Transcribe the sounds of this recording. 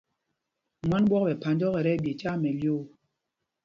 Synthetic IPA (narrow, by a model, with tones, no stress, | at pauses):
mwa˦nbwɔ˦k̚bɛ˨pa˨ndɔ˦ɣɛ˨ɾɛ˦bje˨t͡ʃa˦mɛ˨ljo˦˨